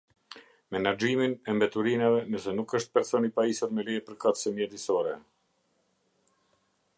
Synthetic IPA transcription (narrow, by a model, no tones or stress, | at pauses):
mɛnad͡ʒiminɛmbɛt̪uɾinavɛnəsɛnukəʃt̪̚pɛɾsɔnipaisuɾmɛliɛpəɾkat̪sɛmjɛt̪isɔɾɛ